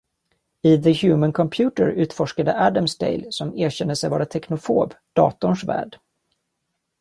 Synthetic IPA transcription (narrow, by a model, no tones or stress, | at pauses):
ɪðəhjʉːmənkʰɔmpʰjʉːt̪əɾʉ̟ːt̪fɔʂkad̪əʔæd̪amst̪ḛɪlsɔmeːɕɛnːəsɛjvɑːɾat̪ʰɛknʊfo̰ːb | d̪̥ɑ̰ːt̪ʊnʂvæ̰ːɖ